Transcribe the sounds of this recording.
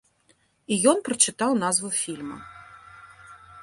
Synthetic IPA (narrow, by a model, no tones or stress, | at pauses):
ijɔnpɾɐt͡ʂɨt̪awnazvufʲilʲmɐ̰